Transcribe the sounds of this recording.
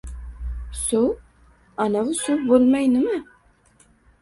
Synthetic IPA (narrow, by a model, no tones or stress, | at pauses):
su | anavusubolˠmajnɨma